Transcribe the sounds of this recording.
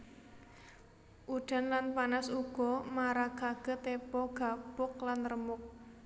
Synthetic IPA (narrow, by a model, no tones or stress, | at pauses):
ʔuɖ̥a̤nlanpanasuɡ̥ɔ̤maɾaɡ̥aɡ̥ə̤t̪epɔɡ̥a̤b̥ʊk̚lanrəmʊk̚